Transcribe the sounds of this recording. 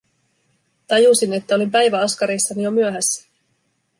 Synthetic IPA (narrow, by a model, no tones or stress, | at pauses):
t̪ɑjusine̞t̪ːæo̞lempæjʋæɑskɑɾeːsːɑnijo̞myøɦæsːæ̥